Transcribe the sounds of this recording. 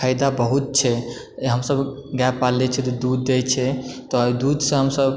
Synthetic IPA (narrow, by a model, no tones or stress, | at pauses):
ajd̪abəɦut̪̚t͡ʃʰɛ | ɦəmsəbɡɛpːalːɛt͡ʃʰɛt̪ɔd̪ud̪ːet͡ʃʰɛt̪ɔd̪ud̪sə̃ɦəmsəb